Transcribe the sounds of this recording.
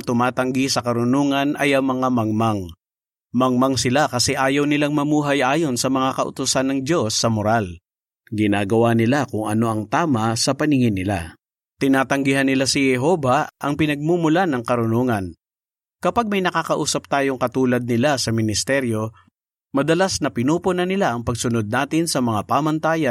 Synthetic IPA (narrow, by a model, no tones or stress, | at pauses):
t̪ʊmaːt̪ɐŋɡisɐkɐɾʊnoːŋɐnʔɐjʔɐŋmɐŋamɐŋmaŋ | mɐŋmɐŋsɪlakɐsɛʔaːjɐwnɪlaŋmɐmuːɦɐjʔaːjo̞nsɐmɐŋakɐʔʊ̰t̪ʊsanːɐŋd͡ʒo̞sːɐmʊɾal | ɡɪnaːɡɐwanɪlakʊŋɐno̞ʔɐŋt̪aːmɐsɐpɐnɪŋɪnːɪla̰ | t̪ɪnaːt̪ɐŋɡɪɦanːɪlasɪhɛɦo̞vɐʔɐŋpɪnɐɡ̚mumʊlanɐŋkɐɾʊnoŋɐn | kɐpaɡ̚mɐjnɐkaːkɐʔuːsɐp̚t̪aːjo̞ŋkɐt̪uːlɐd̪̚nɪlasɐmɪnɪst̪ɛɾjo̞ | mɐd̪ɐlasnɐpɪnuːponɐnɪlaʔɐŋpɐɡsʊnod̪̚naːt̪ɪnsɐmɐŋapaːmɐnt̪aːjɐ